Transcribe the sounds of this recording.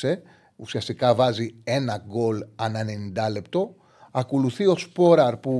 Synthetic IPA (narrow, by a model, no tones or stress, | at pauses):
e̞ | usiɐst̪ikɐvɐzie̞nɐɡo̞lɐnɐnenind̪ɐle̞pt̪o̞ | ɐko̞luθio̞spo̞ɾɐɾpu